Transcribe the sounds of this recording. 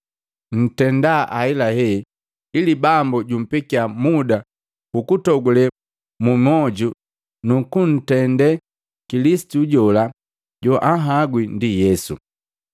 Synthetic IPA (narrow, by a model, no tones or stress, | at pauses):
n̩tɛndaʔailahɛ | ilibambuɟum̩pikiamuda | ukutɔɡulɛ | mumɔɟu | nukun̩tɛndɛ | kilisi̥tuɟɔla | ɟɔʔaɦaɡwindijɛsṵ